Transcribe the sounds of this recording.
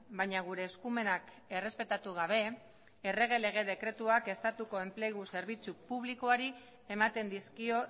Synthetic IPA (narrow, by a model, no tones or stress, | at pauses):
bajɲaɣ̞uɾe̞ːskume̞nak | e̞re̞spe̞t̪at̪uɣ̞aβ̞e̞ː | re̞ɣ̞e̞le̞ɣ̞e̞ð̞e̞kɾe̞t̪uake̞st̪at̪uko̞e̞mple̞ɣ̞use̞ɾβ̞it͡supuβ̞liko̞aɾi | e̞mat̪e̞nd̪iskio